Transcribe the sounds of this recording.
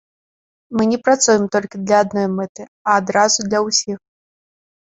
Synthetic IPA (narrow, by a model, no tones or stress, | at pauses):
mɨnʲɛpɾat̪sujɛmt̪ɔlʲkʲid̪lʲɐːd̪̚nɔjmɛt̪ɨɐːd̪ɾazud̪lʲɐwsʲix